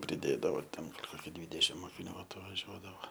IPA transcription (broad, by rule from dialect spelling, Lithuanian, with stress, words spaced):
pʲrʲɪˈdʲeːdɐʋoː tʲɛn ˈkoːkʲɪ ˈdʲʋʲiːdʲɛʃʲɪm moːkʲɪˈnʲuː ɐtʋɐˈʒʲuɔdɐʋoː